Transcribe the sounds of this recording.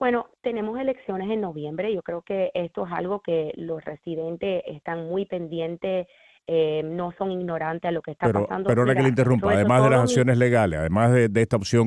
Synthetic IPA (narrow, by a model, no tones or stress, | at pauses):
bwe̞no̞t̪e̞ne̞mo̞se̞le̞ksjo̞ne̞s̬e̞nno̞βjẽ̞mbɾeʝo̞kɾe̞oke̞est̪o̞esa̰lɣo̞ke̞lo̞sresiðe̞nt̪e̞sḛst̪aŋmujpe̞nd̪jẽ̞nt̪es | eno̞so̞ŋiɡno̞ɾant̪ealo̞kest̪aeɾpaoa̰nd̪opeooɾakkeleint̪erumpaðemazðelasaksjo̞nesle̞ɣalesa̰ðemazðed̪eest̪aopsjo̞ŋ